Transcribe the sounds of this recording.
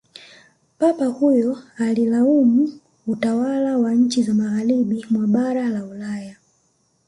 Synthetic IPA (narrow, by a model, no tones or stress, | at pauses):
papahujɔalilaumu | utawalawaɲ̩t͡ʃizamaɣaɾiɓimwaɓaɾalaulaːja